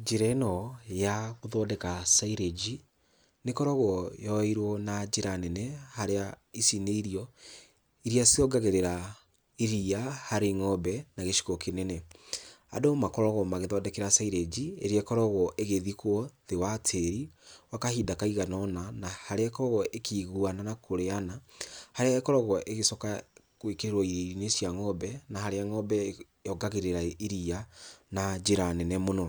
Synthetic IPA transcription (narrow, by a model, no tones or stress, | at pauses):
d͡ʒeɾɛnɔjaɣoðɔːdɛkasaiɾed͡ʒi | nekɔɾɔɣɔjɔɛiɾwɔnad͡ʒeɾanɛnɛhaɾea | isineiɾiɔ | iɾiasiɔɡaɣeɾeɾa | iɾiahaɾeŋɔbɛnaɣeʃi̥kɔkenɛnɛ | a̰domakɔɾɔɣɔmaɣeðɔdɛkeɾasaiɾed͡ʒiḛɾeɛkɔɾɔɣɔʔeɣeðikwɔðewatʰeɾiwakahiːdakaiɣanɔnanahaɾeakɔɾɔɣɔʔekʰiːɣuananakoɾeanahaɾeaɛkɔɾɔɣɔʔeɣesɔkakwekeɾeɾwɔinesjaŋɔbɛnahaɾeaŋɔbɛ | ɔɡaɣeɾeɾaiɾianad͡ʒeɾanɛnɛmonɔ